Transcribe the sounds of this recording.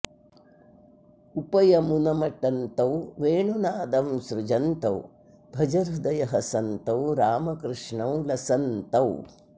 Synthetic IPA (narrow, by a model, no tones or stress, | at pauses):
upɐjɐmunɐmɐʈɐnt̪ɐwʋeːɳunaːd̪ɐmsɾud͡ʒɐnt̪ɐw | bʱɐd͡ʒɐɾud̪ɐjɐɦɐsɐnt̪ɐwɾaːmɐkɾɪʂɳɐwlɐsɐnt̪ɐw